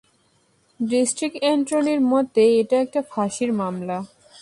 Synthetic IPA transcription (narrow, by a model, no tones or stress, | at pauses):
ɖisʈɾik̚ʈeɳʈɾoneɾmot̪eeʈaɛk̚ʈafʰaʃiɾmamla